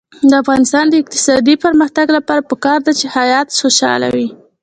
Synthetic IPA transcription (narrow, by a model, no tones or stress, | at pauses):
d̪əafɣɑnɪst̪ɑnd̪əɪq̚t̪ɪ̥sɑd̪ipəɾməxt̪aɡlapɑɾapəkɑɾd̪at͡ʃehajɑt̪xoʃɑ̰la̰wi